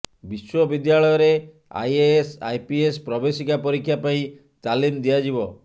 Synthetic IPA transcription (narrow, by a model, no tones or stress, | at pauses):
biswɔbid̪jaɭɔjɔɾe | a̰jesa̰jpiespɾɔbesikapɔɾikʰːjapaĩ | t͡ʃalind̪iad͡ʒibɔ